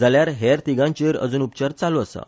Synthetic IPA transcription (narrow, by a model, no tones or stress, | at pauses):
d͡zaljaɾɦɛɾt̪iɡãɲt͡ɕeɾə̰d͡zuːnup̚t͡ɕaɾt͡saloəsa̰